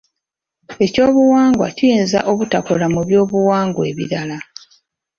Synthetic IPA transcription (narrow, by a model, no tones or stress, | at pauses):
e̞co̞ːβuwaːŋɡwa̰cijeːnza̰ʔo̞βutakolamuβjo̞ːβuwaːŋɡwe̞ːβḭɾala